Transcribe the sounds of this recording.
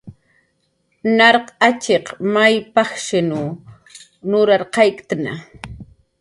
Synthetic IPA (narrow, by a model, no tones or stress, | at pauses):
nɑɾqɑt͡ʃeqmajpɑχʃɪnʊ | nʊɾaɾqɑjkt̪ana̰